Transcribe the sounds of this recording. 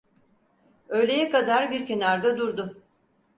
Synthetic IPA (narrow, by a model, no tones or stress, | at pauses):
ø̞jlʲe̞jɛkad̪aɾbiɾce̞naɾd̪ad̪uɾd̪ʊ